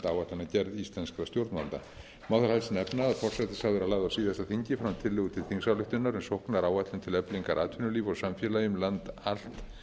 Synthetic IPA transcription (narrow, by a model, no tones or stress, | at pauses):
t̪aːwat̪lanacɛɾðist̪lɛnskɾast̪jowɾt̪nant̪a̰ | mawðʏɾhajsnɛpnaaðfɔr̥sɛt̪ɪsavɛɾalaːðawsiːðɛsaθiɲcɪfɾamt̪ʰɪlːɪɣʏt̪ʰɪlθiŋsawlʏht̪ʏnːaɾɛnsowhknaɾaːwat̪lɪnt̪ʰɪlɛpliŋkaɾʔaːt̪ʰʏnʏliːvɔsamfjɛlajʏmlant̪al̥t̪